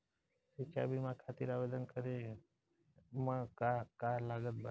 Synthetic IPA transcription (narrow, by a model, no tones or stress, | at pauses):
sit͡ʃa̰bimãkʰat̪iɾaʋed̪ənkəɾe | mãkakalaɡət̪̚bə